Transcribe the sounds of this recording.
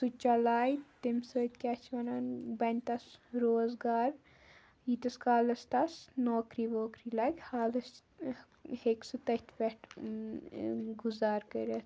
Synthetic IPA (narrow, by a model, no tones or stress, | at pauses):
sut͡ʃalaːjt̪imsəːt̪ʲkʲaːt͡ʃʰʋɐnaːnbɐnʲt̪ɐsɾoːzɡaːɾ | jit̪ɐskaːlɐst̪ɐsnoːkɾiːboːkɾilaːɡʲhaːlɐs | heksɨt̪ɐhʲt̪ʲʰbʲeʈʰ | ɡuzaːɾkɐɾʲɐt̪